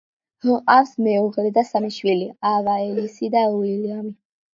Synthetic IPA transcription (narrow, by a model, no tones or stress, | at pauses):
hə̃qʼafsmɛuʁlɛd̪asamiʃwiliavaɛlisid̪auiliami